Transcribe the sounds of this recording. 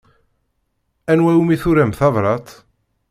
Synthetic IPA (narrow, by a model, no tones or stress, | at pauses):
ænwæjumiθuɾæmθɑðɾˤɑt̪